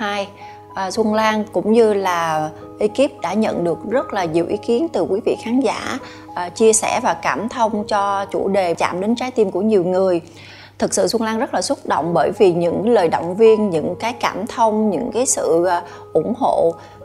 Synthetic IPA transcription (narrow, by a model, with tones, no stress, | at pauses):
haː˧j | ʔːswə˧nlaː˧nkʊ̰˧˥ŋ͡mɲɨ˧laː˨˩ | ʔi˨˧ki˦˥p̚ɗa̰ː˧˥ɲə̰˧˨nɗɨ˨˩ək̚zə˦˥t̚laː˨˩ɲi˨˩əwʔi˨˦ki˨˦ənt̪ɨ˨˩kwi˨˦vḭ˧˨xaː˨˦nza̰ː˧˩˨ | ʔːt͡ɕi˧əsɛ˧˩vaː˨˩kaː˧˩mt̪ʰə˧wŋ͡mt͡ɕɔ˧t͡ɕu˧˩ɗe˨˩t͡ɕa̰ː˧˩mɗe˨˦nt͡ɕaː˨˦jt̪i˧mku˧˩əɲi˨˩əwŋɨ˨˩əj | t̪ʰɨ˨˩k̚sɨ̰˧˨swə˧nlaː˧nzə˦˥t̚laː˨˩swə˦˥t̚ɗo̰˧˨wŋ͡mɓəː˧˩jvi˨˩ɲɨ̰˧˥ŋləː˨˩jɗo̰˧˨wŋ͡mvi˧ənɲɨ̰˧˥ŋkaː˨˦jkaː˧˩mt̪ʰə˧wŋ͡mɲɨ̰˧˥ŋkaː˨˦jsɨ̰˧˨ | ʔʊ˧˩ŋ͡mɦo̰˧˨